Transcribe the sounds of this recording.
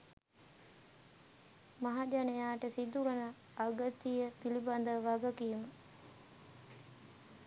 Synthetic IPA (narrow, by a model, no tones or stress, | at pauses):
maɦad͡ʒanejaːʈəsid̪uɡənəː | ɡət̪ijəpiliband̪əʋaɡəkiːmə